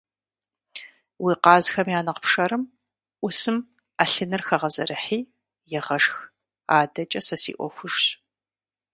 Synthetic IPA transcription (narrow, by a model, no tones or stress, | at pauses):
wiːqɑːzxɐmjaːnɐqəpʂɐɾɨm | ʔʷʊsɨm | aɬɨnɨrxɐʁɐzɐɾɨħiː | jɪʁɐʂx | aːdɐt͡ʃʼɐsɐsḭːʔʷɔ̰xʷʊʒɕ